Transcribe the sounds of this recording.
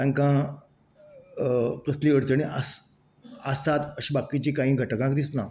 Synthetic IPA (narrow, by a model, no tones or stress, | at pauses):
t̪ãŋkã | kəsliːʋəɽt͡səɳ̃ĩʔəs | asat̪əɕiːbakit͡ɕiːkãɦĩɡʱəʈəkãkd̪isna